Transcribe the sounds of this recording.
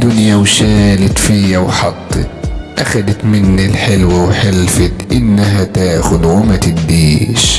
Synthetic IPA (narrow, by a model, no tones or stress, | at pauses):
d̪ʊnjawʃaːlat̪fijawħɑt̪ˤːɨ̰ʔaxad̪at̪mɪnːilħɪlwawħɪlfɪt̪ʔɪnːaɦat̪aːxʊd̪ʕʊmat̪ɪd̪ːiːʃ